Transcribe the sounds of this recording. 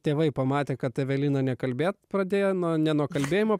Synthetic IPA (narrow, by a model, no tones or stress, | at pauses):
t̪ʲeːʋɐɪpɐmɑːt̪ʲeːkɐt̪t̪ʲɛʋʲɛlʲiːnɐnʲɛkɐlʲbʲeːt̪pɾɐd̪ʲeːjɛnuɔnʲɛnuɔkɐlʲbʲeːjɪmoː